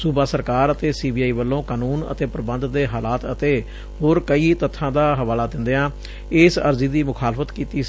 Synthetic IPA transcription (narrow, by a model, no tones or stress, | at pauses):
subaːsəɾkaːɾət̪eːsiːbiːaːiːʋəlːõːkaːnuːnə̰t̪eːpəɾəbənd̪d̪eːɦaːlaːt̪ə̰t̪eː | ɦoːɾkəiːt̪ət̪ʰːãːd̪aːɦəʋaːlaːd̪ɪnd̪eãː | ɪsə̰ɾziːd̪iːmʊkʰaːlfət̪kiːt̪iː